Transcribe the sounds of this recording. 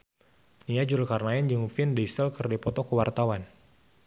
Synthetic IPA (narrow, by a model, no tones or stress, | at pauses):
niad͡ʒuɾlkarnajɛnd͡ʒəŋfɪndisəlkɨrdipɔt̪ɔkəwart̪awan